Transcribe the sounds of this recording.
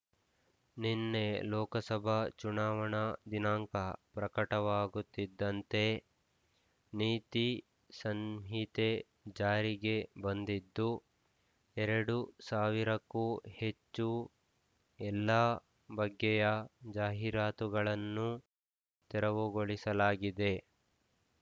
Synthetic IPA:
ninːe̞lɔːkɐsɐbʱɐt͡ʃunaːʋɐɳɐd̪inaːŋkɐpɾɐkɐʈɐʋaːɡut̪ːid̪ːɐnt̪e̞ | niːt̪i | sɐnɦit̪e | d͡ʒaːɾiɡe̞bɐnd̪id̪ːu | ɛɾɐɽusaːʋiɾɐkːuːhe̞t͡ʃːu | ɛlːaː | bɐɡːɛjɐd͡ʒaːɦiɾaːt̪uɡɐɭɐnːu | t̪ɛɾɐʋuɡoɭisɐlaːɡid̪e̞

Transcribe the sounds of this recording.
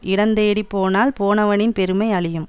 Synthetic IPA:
ʔɪɽɐnd̪eːɽipːoːnaːlpoːnɐʋɐnɪnpɛɾɯmɐɪɐɭɪjɯm

